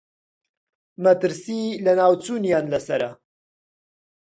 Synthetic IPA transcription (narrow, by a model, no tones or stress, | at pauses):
mɐt̪ɨɾsilɐnaːwt͡suːnjaːnlɐsɐɾɐ